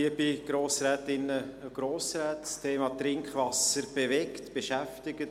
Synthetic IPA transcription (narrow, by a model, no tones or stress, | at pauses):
iəb̥iɡ̥ɾoːsɾɛːt̪ɪnːəɡ̥ɾoːsɾɛːtstʰeːmɑt̪ɾɪŋkχʋɑsəɾb̥eʋɛktb̥eʃæftɪɡ̥ət